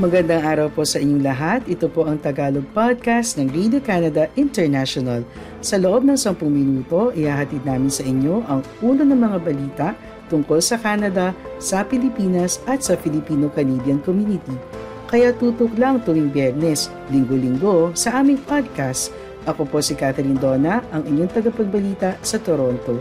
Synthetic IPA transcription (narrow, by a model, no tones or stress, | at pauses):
mɐɡɐnd̪aŋʔaːɾɐwpo̞sɐʔɪɲːoŋlɐɦat̪ʔɪt̪opo̞ʔɐŋt̪ɐɡaːloɡ̚pad̪̚kast̪nɐŋɹid̪okanɐd̪ɐʔɪnt̪ɛɹnaʃonɐl | sɐloʔo̞b̚nɐŋsɐmpʊŋmɪnuːt̪o̞ʔɪhaːɦɐt̪id̪̚naːmɪnsɐʔɪɲːo̞ʔɐŋʔuːlonɐŋmɐŋabɐliːt̪ɐʔ | t̪ʊŋko̞lsɐkaːnɐd̪ɐsɐpɪlɪpiːnɐsʔɐt̪sɐpɪlɪpiːnokɐlibjɐnkomjunɪt̪i | kɐjat̪uːt̪ʊklɐŋt̪ʊwiŋbjɛɹnɛs | lɪŋɡolɪŋɡo̞sɐʔaːmɪŋpad̪̚kast̪ | ʔɐko̞po̞sikat̪ɛɾind̪o̞ːnɐʔɐŋʔɪɲoŋt̪ɐɡɐpɐɡ̚bɐliːt̪ɐsɐt̪oɾo̞nt̪o̞